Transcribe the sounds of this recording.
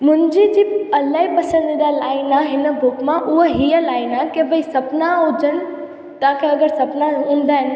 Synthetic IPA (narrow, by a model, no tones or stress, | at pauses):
mʊ̃nd͡ʑid͡ʑiːɐlaɦibɐsənd̪ɪd̪alaːɪnaɦɪnəbʊkmãʔʊɦoɦijəlaːɪnakebʱəisɐpnaɦod͡ʑən | t̪aːkeɐɡəɾsɐpnaũːnd̪aɦɪn